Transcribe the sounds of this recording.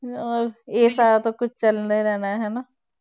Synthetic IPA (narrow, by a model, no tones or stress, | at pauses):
ɔːɾeːsaːɾat̪okʊt͡ʃʰt͡ʃɐlneɾɛɦnaɦɛnaː